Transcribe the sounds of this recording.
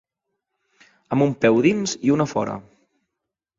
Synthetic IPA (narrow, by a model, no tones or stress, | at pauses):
əmumpɛwðinziunəfɔ̰ɾə̰